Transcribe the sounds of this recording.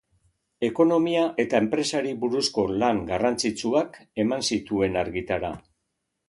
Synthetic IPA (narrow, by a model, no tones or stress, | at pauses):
e̞ko̞no̞miaʔe̞t̪ae̞mpɾe̞saɾiβuɾusko̞laŋɡarant͡sit͡suake̞mansit̪ue̞naɾɣit̪aɾa̰